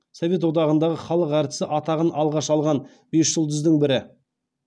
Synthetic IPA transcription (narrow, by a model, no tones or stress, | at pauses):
sove̞t̪̬wo̞d̪ɑʁənd̪ɑʁəχɑlˠəqæɾt̪ɪ̥sɪʔɑt̪ɑʁənʔɑlˠʁɑʃɑlˠʁɑn | be̞sʒ̥əlˠd̪ʏzd̪əɴbɪɾɪ